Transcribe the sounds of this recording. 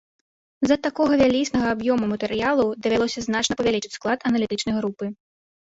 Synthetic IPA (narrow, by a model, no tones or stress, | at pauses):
zɐt̪akɔɣɐvʲalʲisnɐɣɐabjɔmumɐt̪ɛɾɨjalˠud̪ɐvʲalˠɔsʲɐznat͡ʂnɐpɐvʲalʲit͡ʂɨ̥t͡sʲsklˠat̪ɐnɐlʲit̪ɨt͡ʂnɐjɣɾupɨ